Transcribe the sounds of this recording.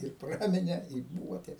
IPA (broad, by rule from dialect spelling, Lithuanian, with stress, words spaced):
ɪr ˈprɑːmʲɪnʲɛ ɪ buːʋɐ tʲɛ